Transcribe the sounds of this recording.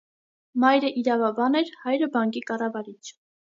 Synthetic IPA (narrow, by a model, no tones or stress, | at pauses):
mɑjɾəʔiɾɑvɑbɑnɛɾhɑjɾəbɑŋkikɑrɑvɑɾit͡sʰ